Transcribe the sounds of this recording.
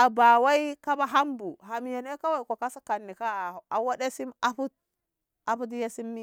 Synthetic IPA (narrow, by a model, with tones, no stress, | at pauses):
a˨ba˨wa˦i˦ka˦ba˦ɦa˦mbu˨ɦa˨m˨ja˨ne˦ka˦wa˨ko˨ka˦sa˦ka˨nːi˨ka˦˨a˨wa˦ɗe˦si˦ma˨ɸu˦t̚ | a˨pu˦d̬i˦je˦si˦mːi˦